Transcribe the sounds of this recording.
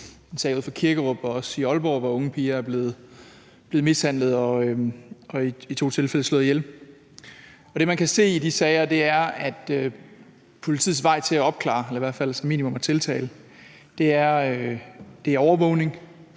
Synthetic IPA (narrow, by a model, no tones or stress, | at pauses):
ensɛːoð̩̰ˠfɑkʰiɐɡ̥əʁɔb̥ɒɒ̽siɒ̽lb̥ɒːʋɒɔ̽ŋəpʰiːɐæɐb̥le̝ːð̩ˠ | b̥le̝ð̩ˠmeshæn̰lð̞̩ˠɒ̽ | ɒ̽iit͡sʰo̝̰ːt͡sʰe̝lfel̰əslɔ̰ðˠjel | ɒɾ̥e̝mænkʰæse̝̰ːid̥isɛɪɐd̥e̝æɐæd̥ø | pʰo̝lit͡sʰḭð̩ˠsʋɑ̈ɪ̰t͡sʰe̝læɒ̽b̥̚kʰlɑ̰̈ːelɐiʋæɐ̰̥fæl̰sɒmḭːnimɔ̽mæt͡sʰe̝lt͡sʰɛ̰ːlə | d̥e̝æɐ | d̥e̝ɐɒʊɐʋɔ̽ʊ̰ne̝ŋ